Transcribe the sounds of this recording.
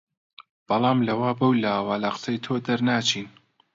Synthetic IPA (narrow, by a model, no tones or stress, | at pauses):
b̥ɑlˠɑːmlɐwaːbɐwlaːwaːlaqsɐjt̪ʰoːd̪ɐɾnaːt͡ʃʰiːn